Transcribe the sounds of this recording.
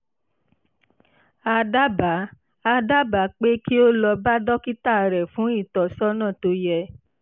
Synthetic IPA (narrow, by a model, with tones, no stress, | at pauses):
a˧da˦ba˨˦ | a˧da˦ba˨˦k͡pe˦ki˦o˦lɔ˧ba˦dɔ˦ki˦ta˦˨ɾɛ˨fũ˨˦i˦˨tɔ˨sɔ˦nã˦˨to˧jɛ˧